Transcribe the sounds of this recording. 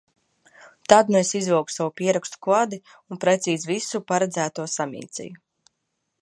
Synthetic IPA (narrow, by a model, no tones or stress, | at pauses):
t̪ad̪̚nuesizvɛwksavupʲiɛɾakst̪u̥kvad̪i | unpɾɛt̪siːzvisupaɾɛd̪zæːt̪uɔsamʲḭːt̪sɛ̰ju